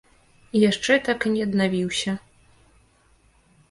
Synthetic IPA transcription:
ijaʂt͡ʂɛt̪akinʲɛɐd̪navʲiwsʲɐ

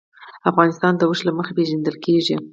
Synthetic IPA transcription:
afɣɑnɪst̪ɑnd̪əwəʃlaməxapeʒand̪əlkeʐi

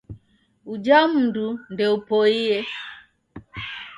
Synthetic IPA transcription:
ud͡ʒam̩dundɛupoie

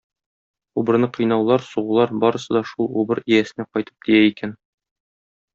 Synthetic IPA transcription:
ubɤ̆ɾnɤqʰɤ̆jnɑwlˠɑɾsuʁŭlˠɑɾbɒɾɤ̆sɤ̆d̪ɒʃulˠubɤɾijæsɘ̆næqɒjt̪ɤ̥p̚d̪ijæikæn

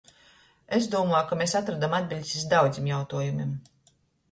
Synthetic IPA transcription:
ezd̪uɔmɔjkameːsat̪ɾad̪amad̪̚bʲilʲsʲisd̪awd̪zʲimjawt̪uɔjumim

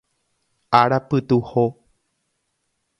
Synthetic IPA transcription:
aɾapɨt̪uho

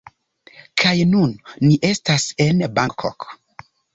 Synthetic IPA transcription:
kʰajnunːiʔestasenbakʰo̰k

